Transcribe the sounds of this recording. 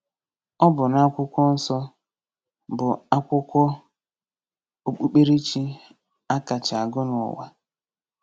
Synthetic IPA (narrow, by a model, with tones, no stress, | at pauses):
ɔ˦bʊ˨na˦kʷʊ˦kʷɔ˦n̩˦sɔ˦ | bʊ˨a˦kʷʊ˦kʷɔ˦ | o˦k͡pu˦k͡pe˦ɾe˦t͡ʃi˦ | a˦ka˨t͡ʃa˨ɡʊ˦nʊ˨ɔ̰˨wa̰˨